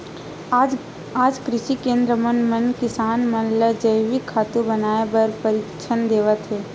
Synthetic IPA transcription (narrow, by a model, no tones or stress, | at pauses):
aːd͡ʒkɾɪʃikẽːnd̪ɾəmənmənkɪsaːnmənləd͡ʒəɪʋikʰːaːt̪ubɐnaːebɐɾpəɾikt͡ʃʰənd̪eːʋət̪ɦeː